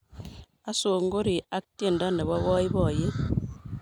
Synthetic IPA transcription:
a˦so˨ŋ˦ɡo˦ɾi˨a˦k̚tje˦˨n˨da˦ne˨ba˦βɔ˦i˦bɔ˨je˦

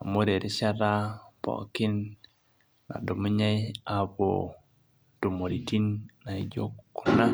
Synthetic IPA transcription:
a˨mo˦ɾe˨ɾe˦ʃa˦ɾa˦pɔ̰˨ki˦n | na̰˨do˨mu˦ɲa˦i˦a˨βo̰˨ | d̥o˨mo˨ɾi˨ti˦nna˨i˦d͡ʒo̰˦kkːu̥˦na˦

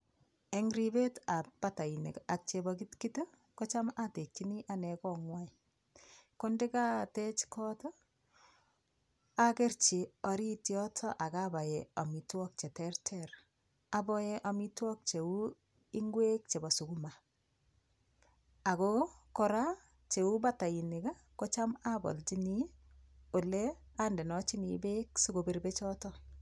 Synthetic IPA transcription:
e˦ŋɾi˦be˦ta˨ppa˦ta˨inḛ˨ka˨k̚t͡ʃe˨bɔki˦tki˦to˦ | kɔ˦t͡ʃa˦ma˦te˨kːi˦ni˦ʔa˨nɛ˨kɔ˨ŋwa˦ | ko˦nde˦ka˦te˦t͡ʃkɔ˦to˦ | a˦ke˦rt͡ʃi˨ɔ˨ɾi˦tjɔ˦tʰɔ˦ʔa˨kaba˨jeɔ˨mi˨twɔ˦k̚t͡ʃe˨tɛ˦rtʰɛr | a˨bɔ˦je˦ʔa˨mi˦twɔ˦k̚t͡ʃe˨u˦ | i˦ŋɡwe˦k̚t͡ʃe˨bɔ˨su˨ɡu˦ma˨ | a˨ko˦kɔɾa˦ | t͡ʃe˨u˦ba˦ta˨i˨nɪ˨ɡa˦ | ko˦t͡ʃa˦ma˦bɔ̰˨lt͡ʃi˦ni˦ | o˨le˦a˦nde˨nɔ˦t͡ʃi˦nibe˦ksu˦ɡo˨be˨rbe˦t͡ʃɔ˦tɔ˦

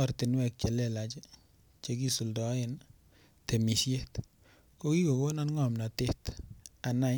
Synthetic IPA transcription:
a˨ɾtɪ˨nwɛ˨k̚t͡ʃɛ˨lɛ˦la˨t͡ʃe˦ | t͡ʃe˦k̬i˦su˨ldɔ˨˦ɪ˦n | te˨mi˨ʃje˦t | ko˦ki˦ko˨ko˦na˦nŋɔ˨mna˨tɪ˦ta˨na˦j

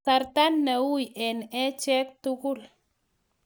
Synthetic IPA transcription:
a˧ɾt̪a˦nːa˨wu˦je˨ne˦t͡ʃe˦k̚t̪u˦ku˦˨l

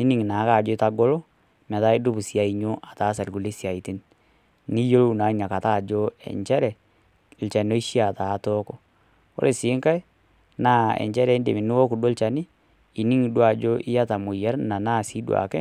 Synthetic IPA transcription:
i˦nɪ˨ŋ˨na˨˦ka˨d͡ʒo˦ɪ˦ta˦ɡo˦lɔ˦ | mɛ˨ta˦i˦dʊ˦bu˨si˨a˨i˦ɲo˦ʔa˨taː˨˦sa˨lɡu˨le˦sja˨i˨ti˦n | ni˦jo˦lo˦˨na˨˦ɲa˨ka˨ta˦˨d͡ʒo˦ɛ̰˨ɲt͡ʃɛ˦ɾɛ˨ | lt͡ʃa˨no˦i˦ʃi˦a˨ta˨˦tɔ˦kɔ˨ | o̰˦le˨sɪ˨˦ŋka˦j | naː˦ɛ̰˨ɲt͡ʃɛ˦ɾɛ˨˦nde˨ɪ˨nɪ˦wo˦ku˨do˦lt͡ʃa˨nɪ˦ | i˨ni˦ŋ˨dwa˨d͡ʒo˦ʔɪ˦ja˦ta˨mo˨ja˦ɾna˨na˦˨si˦dwa̰˨kɛ˦

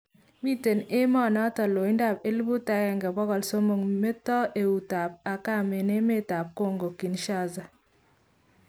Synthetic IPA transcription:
mi˦te˨ne˦mɔ˦˨nɔ˦tɔ˨lo˨i˦nda˦˨pe˦lbu˦ta˦kɛ˨ŋɡɛ˨bɔ˦kɔ˨lso˦mo˨ŋme˦tɔ˦ʔe˨u˨ta˨p̚a˨ka˦˨me˨ne˦me˦˨ta˨p̚ko˦˨ŋɡo˨ki˨nʃa˦za˨

